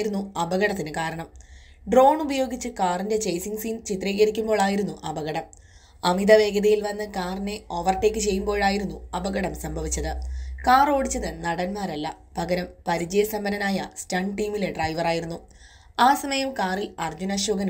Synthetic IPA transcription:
iɾunːuɐbɐɣɐɽɐt̪̬ːinɨkaːɾɐɳɐm | ɖro̞ːɳubɐjo̞ːɡit͡ɕːɨkaːrinde̞t͡ɕɐjsiŋsiːnt͡ɕit̪riːɣɐɾikʲːumbo̞ːɭaːjiɾunːuʔɐbɐɣɐɽɐm | ɐmid̪ɐʋe̞ːɡɐðɐjilʋɐnːɨkaːrine̞o̞ʋɐrte̞ːkʲːɨt͡ɕe̞jːumbo̞ːɭaːjiɾunːuɐbɐɡɐɽɐmsɐmbʱɐʋit͡ɕːɐðɨkaːro̞ːɽit͡ɕːɐðɨnɐɽɐnmaːɾɐlːɐ̰ | pɐɡɐɾɐmpɐɾid͡ʑɐjɐsɐmbɐnɐnaːjɐstaɳɖʈiːmile̞ɖrɐjʋɐraːjiɾunːu | aːsɐmɐjɐmkaːrilɐrd͡ʑunɐɕoːɡɐn

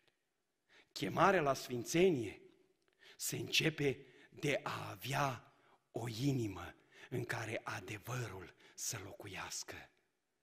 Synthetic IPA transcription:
kʲe̞maɾealasfint̪se̞nije̞ | se̞ɨnt͡ʃe̞pe̞d̪e̞ʔaːvea | o̞inimə | ɨŋkaɾe̞ʔad̪e̞vəɾulsəlo̞kujaskə

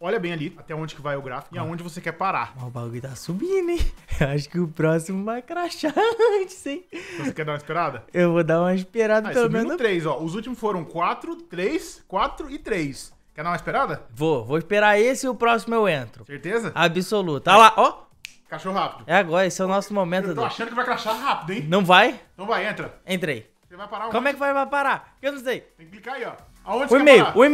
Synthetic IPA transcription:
ɔʎɐbẽj̃aliat̪ɛaõd͡ʒɪkɪvajʊɡɾafikʊiaõd͡ʒɪvosekɛɾpaɾa̰mabaɡɡɪt̪asubĩd̪ʊẽewaʃ̬ʊ̥kɪʊpɾɔsimʊvajkɾaʃat͡ʃɪ̥sĩosekɛd̪ãɐispeɾad̪ɐewvod̪aɾũmɐispeɾad̪ɐpeelomẽnt̪ɾejzɔʊzut͡ʃimʊsfoɾɐ̃w̃kwat̪ɾʊt̪ɾejskwat̪ɾʊɪt̪ɾejs | kɛd̪ãmɐispeɾad̪ɐvovoɪspeɾaesɪɪʊpɾɔsimʊewẽnt̪ɾʊseɾt̪ezɐabisolut̪ɐalaʔɔ | kaʃohɦapid̪ʊɛaɡɔɾɐesʊɛʊnɔsʊmomẽnʊd̪oaʃɐ̃nd̪ʊkɪvajkɾaʃaɦapid̪ʊẽj̃nɐ̃w̃vajnɐ̃w̃vajẽt̪ɾɐẽnt̪ɾej | sevajpaɾakõmʊɛkɪvajvajpaɾakewnɐ̃zsejt̪ẽkɪplikaiɔ | aõt͡ʃɪsimejʊaʊ̃e

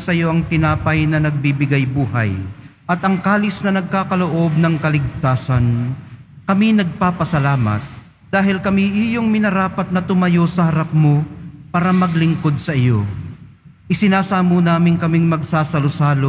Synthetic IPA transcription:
sɐjo̞ʔɐŋt̪ɪnaːpɐjnɐnɐɡ̚bibɪɡajbuːhɐ̰jʔɐt̪ɐŋkaːlɪsnɐnɐɡ̚kaːkɐloʔo̞b̚nɐŋkɐlɪɡ̚t̪aːsɐnkɐminɐɡ̚paːpɐsɐlaːmɐ̰t̪̚ | d̪̥aːɦɪlkɐmiʔɪjoŋmɪnɐɾaːpɐt̪̚nɐt̪ʊmɐjo̞sɐhɐɾap̚mopaːɾɐmɐɡlɪŋko̞d̪̚sɐʔɪjo̞̰ | ʔɪsɪnaːsaːmonaːmɪŋkɐmiŋmɐɡ̚saːsɐlosaːlo

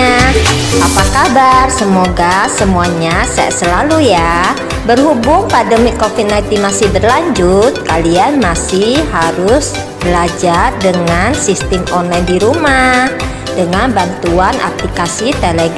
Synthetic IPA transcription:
aʔapakabarsəmoɡasəmuaɲasa̰ja̰ʔsəlaluja | bərɦubʊŋpadəmɪkofinat̪imasɪhbərlaɲd͡ʒʊt̪̚kalianmasɪhɦaɾʊs | b̥əlad͡ʒardəŋansist̪ɪmɔnlajndiɾumah | d̥əŋanbant̪uana̰plikasit̪eleɡ

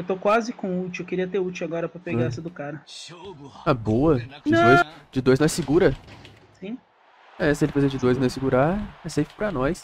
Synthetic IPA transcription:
ewt̪okwazɪkõut͡ʃiwewkeɾiɐt̪eut͡ʃiwaɡɔɾɐpɾɐpeɡasɪd̪ʊkaɾɐ | aboɐ̃d̪ojsd͡ʒɪd̪ojznɔ̃j̃sɪɡuɾɐ | sĩ | ɛsɪelɪfezed͡ʒɪd̪ojznɐ̃w̃sɪɡuɾaɛsejfpɾɐnɔjs

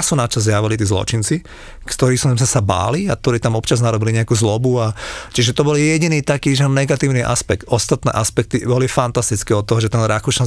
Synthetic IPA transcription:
sunat͡ʃazjaʋilit̪̬iːzlɔ̰t͡ʃint͡si | kt̪ɔɾiːsɔmzmɛsaba̰ːliak̚t̪ɔɾiːt̪amɔpt͡ʃaznaɾɔbiliɲɛakuːzlɔbuat͡ʃiʒɛt̪ɔbɔljɛɟiniːt̪akiːʒɛnɛɡat̪iːʊniʔa̰spɛkt̪ɔst̪at̪nɛ̰ʔaspɛk̚t̪ibɔlifant̪ast̪it͡skɛɔt̪ːɔɦɔʒɛt̪ɛnɾakuʃa

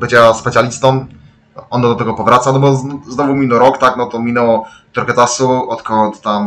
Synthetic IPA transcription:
bɘt͡ɕaspɛt̪ʲjalʲist̪ɔm | ɔnːd̪ɔt̪ɛɡɔpɔvɾat̪sanɔbɔznɔvumʲinɛɾɔkt̪aknɔt̪ɔmʲinɛwɔ | t̪uɾkɛt̪asuɔt̪kɔlt̪t̪am

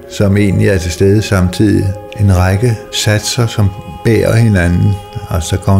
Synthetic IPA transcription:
sɒ̽me̝̰ːnliæɐt͡sʰe̝sd̥eð̞ˠəsɑ̈mt͡sʰið̰ˠie̝nʁɑ̈ɡ̥əsæd̥sɐsɒ̽mb̥ḛːɐhe̝nænn̩ælsɒɡ̥ɒ

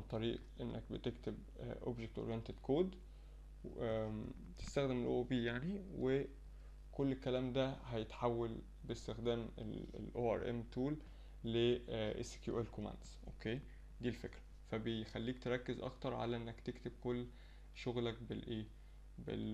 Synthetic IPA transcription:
mɑt̪ˤːɑɾiːʔʔenːæk̚bet̪ekt̪eb | ʔo̰bʒek̚t̪ʔo̰ɾjent̪ed̪̥kʰoːd̪ | t̪e̥st̪æxd̪emelʔo̰ʔbiːjaʕniwe | kolːelkːælæːmd̪æhæjet̪ħawːæl | best̪exd̪æːmḛl̰lʔoːʔæ̰ɾʔæ̰mt̪uːlː | eʔḛse̥kjṵʔælkomæ̰ːnd̪z̥ʔokeː | d̪iːlfekɾæ̥ | fæbejxælːiːkt̪eɾˤɑkːezʔɑ̰kt̪ɑɾˤʕa̰læʔenːækt̪ekt̪eb̚kolː | ʃoɣlæk̚belʔeː | bḛl

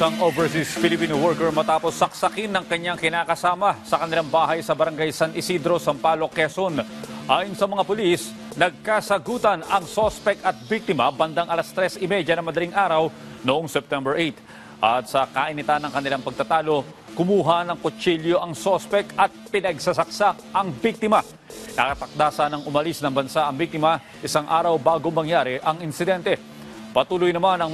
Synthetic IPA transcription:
sɐŋʔovɛɹs̬isfɪlɪpiːnowɔɹkɛɹmɐt̪aːpo̞sːɐksɐkinːɐŋkɐɲːaŋkɪnaːkɐsaːmɐsɐkɐnɪlaŋbaːɦɐjsɐbɐɾɐŋɡajsanʔɪsid̪ɾo̞sɐmpaːlo̞kɛsonʔaːjɪnsɐmɐŋapʊlis | nɐɡ̚kasɐɡuːt̪ɐnɐŋsospɛkɐt̪̚bik̚t̪ɪmɐ̰bɐnd̪aŋʔɐlast̪ɾɛsɪmɛd͡ʒɐnɐmɐd̪ɐliŋʔaːɾɐw | noʔoŋsɛp̚t̪ɛmbɛɹʔejt̪ | ʔɐt̪̚sɐkaʔɪnɪt̪anɐŋkɐnɪlaŋpɐɡ̚t̪ɐt̪aːlo̞kʊmuːɦɐnɐŋkot͡ʃiljo̞ʔɐŋsospɛkɐt̪̚pɪnɐɡsɐsɐk̚sak̚ɐŋbik̚t̪ɪmɐ | nɐkɐt̪ɐk̚d̪aːsanɐŋʔʊmɐlisnɐŋbɐnsaʔɐŋbik̚t̪ɪmɐ | ʔɪsaŋʔaːɾɐwbaːɡo̞ŋmːɐŋjaːɾɪʔɐŋɪnsɪd̪ɛnt̪ɛ | pɐt̪uːlʊjnɐmanɐŋ

